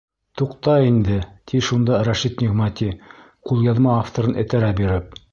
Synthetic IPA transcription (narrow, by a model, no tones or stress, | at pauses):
t̪uqt̪ɑind̪ɘt̪ʰiʃund̪ɑɾæʃit̪nʲiɣmat̪ʲi | qulˠjɑðmɑːft̪ŏɾɤnʔɘ̰̆t̪æɾæbiɾɘp̚